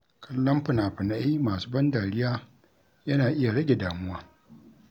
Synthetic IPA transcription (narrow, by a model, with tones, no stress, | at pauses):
kʰɐ˦lːɐ˦mɸɪ˨nʔa˨ɸɪ˨na˦ʔmaː˨suː˦bɐ˦ndaː˨ɽɪ˦jaː˦ | jɐ˦naː˨ʔɪ˦ja˨ɽɐ˦ɡʲe˨daː˨mʊ˦waː˦